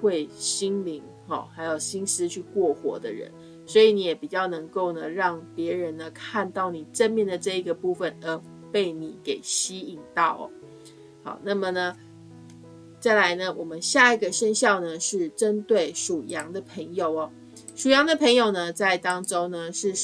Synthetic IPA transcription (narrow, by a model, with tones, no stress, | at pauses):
xwe˥˩ɪɕi˥nli˧˥ŋ | xɑ̰˥˩xa˧˥ɪjo˨˩ʊɕi˥ns̩˦t͡ɕʰy˥˧kwɔ˥˩xwɔ̰˧˥d̪ə̰˧ɻə̰˧˦n | swɔ˧˥i˨ni˧˩jɛ˨˩pi˨˩t͡ɕjɑ˥˩ʊnɤ˧˥ŋko˥˩ʊnə˩ɻɑ˥˩ŋpjɛ˧˥ɻə˧˦nːə˧kʰa˥˧nt̪ɑ˥˩ʊni˨˩ʈ͡ʂə˥˧nmjɛ˥˩nd̪ə˩ʈ͡ʂɤ˥˩i˧˥ɡə˨pu˥˩fə˨˩nə˧˥ | pe˥˩ɪni˨˩˦ke˨˩ɪɕi˥i˨˩ŋt̪ɑ˥˩ʊɐ̰˨˩ | xɑ̰˨˩ʊna˥˩mə˨nə˩ | t͡sa˥˩ɪla˧˥ɪnə˧wʔɔ˨˩mə˦nɕja˥˩i˨˩ɡə˨ɕə˥˧nɕjɑ˥˩ʊnə˨ʂɻ̩˥˩ʈ͡ʂə˦nt̪we˥˩ɪʂu˨˩jɑ˧˥ŋd̪ə˨pʰə˧˥ŋjo˨˩ʊɐ˨˩ | ʂu˨˩jɑ˧˥ŋd̪ə˨pʰə˧˥ŋjo˨˩ʊnə˨t͡sa˥˩ɪt̪ɑ˥ŋʈ͡ʂo˥ŋnə˧ʂɻ̩˥˧